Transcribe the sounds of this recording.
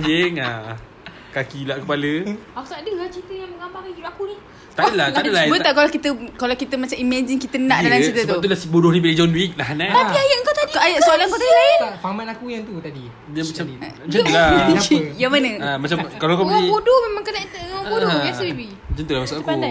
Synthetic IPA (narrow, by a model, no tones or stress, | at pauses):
d͡ʒɪŋa | kakilaʔkəpaləaku̥t̪adəlat͡ʃit̪əjaŋməŋambaŋiuakunih | t̪adlaht̪adəlab̪aʔkalakit̪əkalawkit̪əmat͡ʃamimad͡ʒɪnkit̪ənãʔdalamt͡ʃit̪əəb̪aulasbudʊhnibalid͡ʒɔnwik̚laɦnãt̪apiajaʔəŋkawt̪adikajaʔssoalanpat̪aafamanakujaŋt̪ut̪adi | jamat͡ʃa | d͡ʒəlaajamanəamat͡ʃamkalakuibodomemãŋkənaʔt̪budojasəbibi | d͡ʒənt̪əlamasaaku